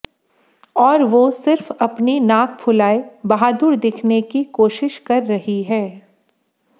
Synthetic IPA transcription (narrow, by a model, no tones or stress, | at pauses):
ɔːɾʋosɪɾfɐpninãːk̚ʰpʰʊlaːebɐɦaːd̪ʊɾd̪ɪkʰnekikoːʃɪʃkɐɾːɐɦiɦɛː